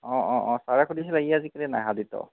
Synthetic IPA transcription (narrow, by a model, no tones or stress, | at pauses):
ɔ̃ɔ̃ɔ̃saɹɛkʰudis̬ilaɡiazikalina̰jɦaditɔ̰